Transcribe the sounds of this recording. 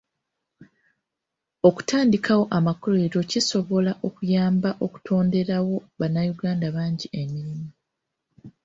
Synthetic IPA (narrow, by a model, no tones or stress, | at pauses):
o̞ku̥taːndikawo̞ʔamakole̞ːɾo̞ciso̞βo̞laʔo̞kujaːmbaʔo̞ku̥tʰo̞ːnde̞ɾawo̞βanːajuɡaːndaβaːɲɟiʔemiɾimu